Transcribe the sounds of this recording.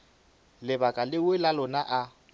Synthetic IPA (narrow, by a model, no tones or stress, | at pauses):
lɪbakʼalɪwɪlalʊnaʔa